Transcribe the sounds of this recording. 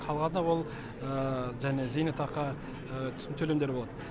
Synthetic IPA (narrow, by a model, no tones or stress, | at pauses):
qʰɑlˠʁɑnəwo̞lˠ | əʒæne̞zejnɑt̪ʰɑqɑ | t̪ʰʏ̥sɪnt̪ʰɵlemd̪e̞ɾbo̞lˠɑd̪ə